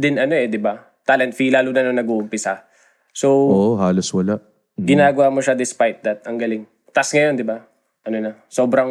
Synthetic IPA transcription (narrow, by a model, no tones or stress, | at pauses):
d̪ɪnɐno̞ʔɛd̪ɪba | t̪alɛnt̪̚filaːlonɐnoŋnɐɡuʔʊmpɪsɐ | so̞ʔoʔhaːloswɐlaʔ | ɡɪnaːɡɐwamoʃad̪ɪspajt̪̚d̪ɐt̪̚ɐŋɡɐlɪŋ | t̪asŋɐjo̞nd̪ɪba | ʔɐno̞nɐso̞ːbɾɐŋ